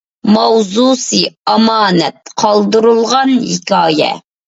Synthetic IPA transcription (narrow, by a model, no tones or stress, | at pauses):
mɑwzusɨɑmɑːnɛt̪̚qʰɑlˠd̪ɨɾulˠʁɑnhikʲɑːjɛ̰